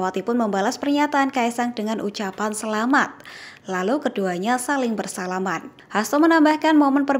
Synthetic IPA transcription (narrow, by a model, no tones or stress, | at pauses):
wat̪ipʊnməmbalaspərɲat̪aːnkaisaŋdəŋanʔut͡ʃapansəlamat̪̚ | lalukəduaɲasalɪŋbərsalaman | hast̪amənambahkanmomənpər